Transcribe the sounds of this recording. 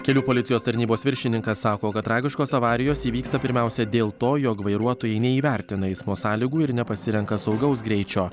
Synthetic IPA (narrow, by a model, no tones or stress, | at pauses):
kʲɛlʲuːpoːlʲɪt̪ʲɪjoːst̪ɐɾʲnʲiːboːsʋʲɪɾʲʃʲɪnʲɪŋkɐsːɑːkoːkɐt̪ːɾɑːɡʲɪʃkoːsɐʋɑːɾʲɪjoːsiːʋʲiːkst̪ɐpʲɪɾʲmʲæˑʊsʲɛd̪ʲeːlˠt̪oːjɔkʋɐɪɾuɔt̪oːjɛɪnʲɛiːʋʲɛˑɾʲt̪ʲɪnɐɛɪsmoːsɑːlʲiːɡuːɪɾnʲɛpɐsʲɪɾʲɛŋkɐsɒʊɡɐʊsɡɾʲɛɪt͡ʃʲoː